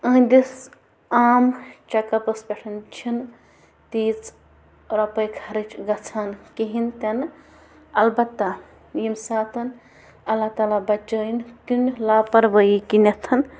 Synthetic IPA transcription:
ə̃d̪is | aːmt͡ʃɐkɐpɐsbʲeʈʰɐnt͡ʃʰin | t̪iːt͡s | ɾɐpɐjkʰɐɾit͡ʃɡɐt͡sʰankiɦint̪ɐn | ɐlbɐt̪ːɐ | jimsaːt̪ʰɐn | ɐlːat̪aːlabɐt͡ʃːɐink̪unlaːpɐɾbəjikinɐt̪ʰɐn

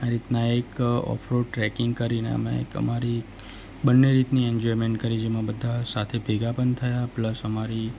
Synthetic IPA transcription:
aɾit̪naekɔ̰pʰɾoʈɾɛkɪŋɡkəɾinḛə̰mḛ̃ə̰maɾi | bənːeɾit̪nieɲd͡ʒɔɾmẽɳʈkəɾid͡ʒemãbəd̪ʱːasat̪ʰebʱeɡapənt̪ʰəjapləsəmaɾi

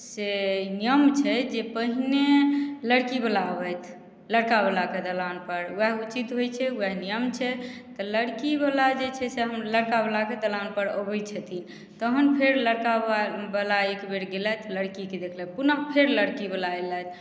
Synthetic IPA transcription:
senijəmt͡ʃʰɛd͡ʒepəɦineləɽkibəlabət̪ʰ | ləɽkabəlaked̪əlanpəɾɛɦut͡ʃit̪ɦojt͡ʃʰɛuɛɦnijəmt͡ʃʰɛt̪ɔləɽkibəlad͡ʒet͡ʃʰɛseɦəmləɽkabəlaked̪əlanpəɾəbəjt͡ʃʰɛt̪in | t̪əɦənpʰeɾləɽkabəlaekbeɽɡelɛt̪ʰləɽkiked̪ekʰlɛpunəɦpʰeɾləɽkibəlaelɛt̪̚ʰ

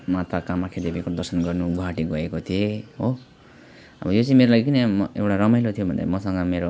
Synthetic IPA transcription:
mat̪ʰakamːakʰed̪ebikod̪ʌrsʌnɡʌrnuɡʱʌɦaʈiɡʌekot̪ʰieɦo | ʌbʌjot͡sʌ̃ĩmeɾolaɡikinemewʈaɾʌmajlot̪ʰijobʱʌnd̪a̰mʌsʌŋɡʌmeɾo

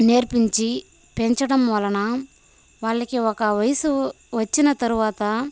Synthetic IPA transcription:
ne̞ːɾpiɲt͡ʃi | peɲt͡ʃɐɽɐmʋɐlɐnɐ | ʋaːɭːɐkiɔkɐʋɐjɐsu | ʋɐt͡ʃːinɐt̪ɐɾuʋaːt̪ɐ

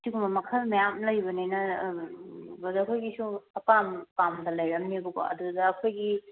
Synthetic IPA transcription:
siɡumɐmɐkʰɐlmɐjamlɐjbɐninɐ | bɐdɐkʰojɡisuɐpampamdɐlɐjɾɐmnibuɡo̰ɐ̰d̪udɐːkʰojɡi

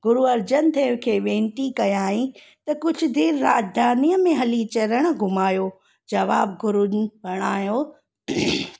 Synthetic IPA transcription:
ɡʊɾuɐɾd͡ʑənt̪ʰɐːʋkʰeːʋẽːnʈ̪ikɐjaːɦĩ | t̪ɐkʊd͡ʑʱʊ̆d̪eːɾːaːd͡ʒd̪ʱaːnijəmẽɦɐlit͡ɕɐɾəɽ̃̆ɡʱʊmaːjoː | d͡ʑɐʋaːb̚ɡʊɾunbʱɐɽ̃aːjoː

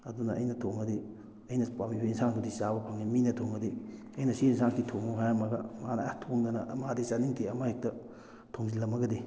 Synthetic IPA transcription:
ɐdunɐʔːjnɐtʰoŋɐdi | ɐjnɐpamioinsaŋtʰudisabɐpʰaŋiminɐtʰoŋɐdi | ɐjnɐsiensaŋkitʰoŋoɦajɐmɐɡɐmanɐtʰoŋdɐnɐʔɐmadesaniŋtʰeɐmahek̚tɐ | tʰoŋzilɐmɐɡɐdi

